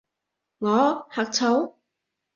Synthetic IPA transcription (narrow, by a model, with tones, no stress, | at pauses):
ŋɔː˨˦haː˨˩k̚t͡sʰɐ˨˥w